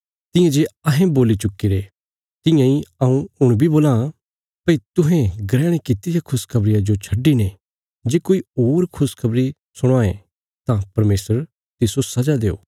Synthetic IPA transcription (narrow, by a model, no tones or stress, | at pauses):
t̪ɪ̃jãd͡ʒeɐɦẽboːlit͡ʃʊkːiɾe | t̪ɪ̃jãiɐũʊɽ̃bʱiboːlã | pɐit̪ʊɦɛ̃ɡɾɛːɽ̃ekɪt̪ɪjakʰʊskʰɐbɾɪjad͡ʒot͡ʃʰɐɖːine | d͡ʒeːkoːioːɾkʰʊskʰɐbɾi | sʊɽ̃aːẽ | t̪ãpɐɾmeːsəɾ | t̪ɪsosɐd͡ʒad̪eːo̰ː